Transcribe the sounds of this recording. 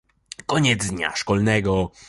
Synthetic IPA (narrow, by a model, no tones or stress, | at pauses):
kɔɲɛd̪zd̪ɲa̰ʂkɔlnɛɡɔ